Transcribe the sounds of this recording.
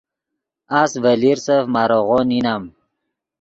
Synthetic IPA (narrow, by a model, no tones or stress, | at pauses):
asvəliɾsəfmaɾoʁoninam